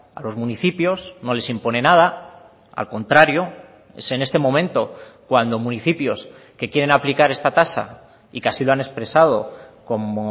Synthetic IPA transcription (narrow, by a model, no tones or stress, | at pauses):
a̰lo̞zmũniθipjo̞zno̞le̞simpo̞ne̞nað̞a | a̰lko̞nt̪ɾaɾjo̞ | ḛse̞ne̞st̪e̞mõ̞mẽnt̪o̞kwand̪o̞mũniθipjo̞s | ke̞kjeɾe̞naplikaɾe̞st̪at̪asa̰ | ikeasilo̞ane̞spɾe̞sað̞o̞ko̞mo